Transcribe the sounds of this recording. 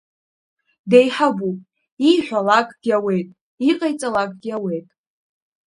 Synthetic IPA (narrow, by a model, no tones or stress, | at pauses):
dejħabu | iħʷᶣalakʼɡ̥ʲawe̞jtʼ | iqʼajt͡sʼalakʼɡʲawe̞jtʼ